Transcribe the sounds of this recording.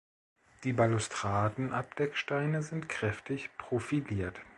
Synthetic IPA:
d̥iːbalustʁ̥aːdn̩ʔap̚d̥ɛkʃtaɪnəzɪntkʁ̥ɛftʰɪçpʁ̥ofiliːɐt

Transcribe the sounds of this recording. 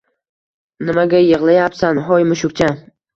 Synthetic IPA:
nɪmaɡʲajɨʁlˠajapsanɦɒjmɪʃʊk̚ʲt͡ʃʰa

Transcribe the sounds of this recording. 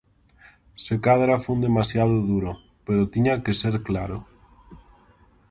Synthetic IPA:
sekaðɾafund̪emasjaðʊðuɾo | peɾot̪iɲakeseɾklaɾo

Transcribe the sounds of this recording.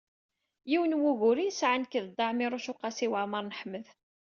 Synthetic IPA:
jiwənwuɣʊɾisʕənkːðd̪ˤːɑʕmiɾˤʊʃʊqːɑsiwəʕməɾˤnəħmːəð

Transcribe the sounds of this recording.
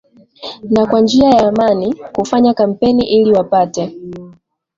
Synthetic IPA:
nakwand͡ʒiajaːmanikufaɲakam̩pɛniʔiliwapatɛ

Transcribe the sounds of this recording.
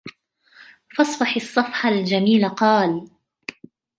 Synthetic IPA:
fɑsˤfɑħɑsˤːɑfħald͡ʒamiːlaqɑːl

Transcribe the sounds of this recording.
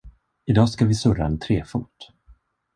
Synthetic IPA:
ɪd̪ɑːskavɪsɵɾaɛnt̪ʰɾeːfṵːt̪

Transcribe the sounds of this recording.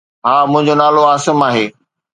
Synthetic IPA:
ɦaːmʊ̃ɦɪ̃ɲd͡ʑonaːloaːsəmaːɦeː

